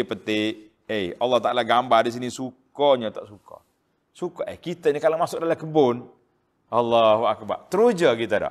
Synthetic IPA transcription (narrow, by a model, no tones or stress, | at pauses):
ipət̪ɪ | ejɑlːaht̪aʔalaɡambardis̬inisukɔɲat̪aʔsukɔ̰ | sukɔʔḛkit̪ainikalaŋmasʊk̚dalakəbʊn | ʔalːaɦuak̚ba̰rt̪əɾud͡ʒaɡit̪ada̰